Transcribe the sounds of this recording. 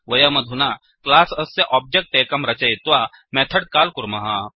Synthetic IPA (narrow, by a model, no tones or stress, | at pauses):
ʋɐjamɐd̪ʱuna | klaːsɐsːeʔɔːp̚d͡ʒek̚ʈeːkɐmɾɐt͡ʃɐjit̪ʋa | mɛːt̪ʰɐɽkaːlkuɾmɐɦa